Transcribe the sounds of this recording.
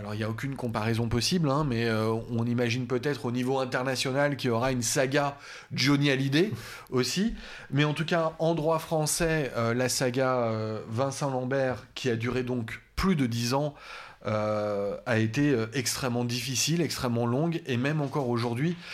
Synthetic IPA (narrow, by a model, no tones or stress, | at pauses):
alɔʁiljaok̬ʲynkɔ̃paʁɛzɔ̃pɔsiblɛ̃mɛøɔ̃nimaʒinpøt̪ɛt̪χonivoɛ̃t̪ɛʁnasjɔnalkʲiɔʁaynsaɡa | donjalid̪e | osi | mɛɑ̃t̪ukaɑ̃d̪ʁwafχɑ̃sɛølasaɡaøvɛ̃sɛ̃lɑ̃bɛʁkʲʰiad̪yʁed̪ɔ̃kplyd̪əd̪izɑ̃ | ø | aet̪eøɛkst̪χɛmːɑ̃d̪ifisilɛkst̪χɛmːɑ̃lɔ̃ɡemɛmɑ̃kɔʁoʒuʁd̪ɥi